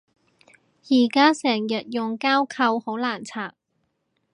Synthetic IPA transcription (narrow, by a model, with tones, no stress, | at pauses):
jiː˨˩kaː˥sɛː˨˩ŋjɐ˨t̚jʊ˨ŋkaː˥wkʰɐ˧who˨˥wlaː˨˩nt͡sʰaː˨˩k̚